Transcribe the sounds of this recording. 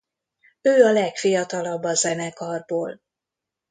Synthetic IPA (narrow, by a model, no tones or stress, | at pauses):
øːɒlɛkfijɒt̪ɒlɒbːɒzɛnɛkɒrboːl